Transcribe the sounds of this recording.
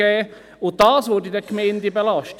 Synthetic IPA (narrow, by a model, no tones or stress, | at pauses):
ɛː | ʊnt̚d̥ɑːsʋʊdidəkmeɪndəbelɑʃt